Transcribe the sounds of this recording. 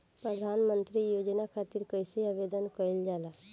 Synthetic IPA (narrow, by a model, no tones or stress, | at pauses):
pɾəd̪ʱaːnmə̃nt̪ɾijoːd͡ʒnakʰaːt̪ɪɾkəɪseaːʋeːd̪ənkəɪld͡ʒaːlaː